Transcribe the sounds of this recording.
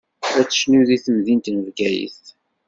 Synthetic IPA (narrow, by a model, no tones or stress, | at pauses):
æt͡sːə̥ʃnuðiθəmðint̪nəvɡæjḭθ